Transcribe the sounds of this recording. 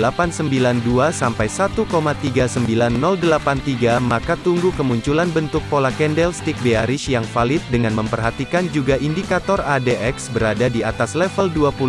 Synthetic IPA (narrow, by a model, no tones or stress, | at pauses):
lapansəmbilanduasampajsat̪ukomat̪iɡasəmbilanːɔldəlapant̪iɡamakat̪uŋɡukəmuɲt͡ʃulanbənt̪ʊk̚polakɛndɛlst̪ik̚beaɾɪʃjaŋfalɪt̪̚dəŋanməmpərɦat̪ikand͡ʒuɡaʔindikat̪ɔradeʔɛksbəɾadadiat̪aslɛfəlduapul